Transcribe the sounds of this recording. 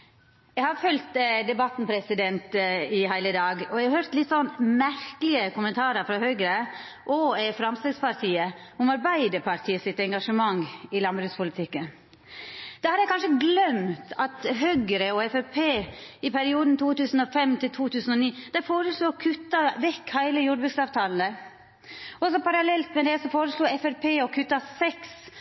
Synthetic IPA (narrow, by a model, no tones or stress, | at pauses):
jɛhɑɾfœlt̪d̪ɛbɑt̪npʰɾɛsɪd̪ɛnt̪ɪɦæɪləd̪ɑːɡɔjɛɪhɑɾhøːɾt̪lɪt̪ːsɔnmæɾkəlɪəkʰʊmənt̪ʰɑːɾəɾfɾɑhœɡəɾə | ʔɔɛfɾɑmst̪ɛːɡspɑɾt̪ʰiːəʊmɑɾbæɪd̪əɾpʰɑɾt̪ʰiːəsɪt̪ɛŋɡɑʂəmɑŋːɪlɑnbɾʉːspʊlɪt̪ʰɪkːən | d̪̥ɛhɑɾjæɪkʰɑnʂəɡlœmt̪ɑt̪ɦœɡəɾəɔɛfɛpʰeːɪpʰæɾɪuːd̪n̩t̪ʰuːt̪ʉːsn̩ɔfɛmːt̪ʰɪlt̪ʰuːt̪ʰʉːsn̩ɔniːd̪̥ɛfoːɾəsluːɔkʰʉt̪ːɑʋɛkːhæɪləjuːɖbʉːd̪sɑːʋt̪ʰɑːln̩ə | ɔs̬ɔpɑɾɑlɛlt̪mɛd̪ɛsɔfoːɾəsluːɛfɛɾpʰeːɔkʰʉt̪ːɑsɛks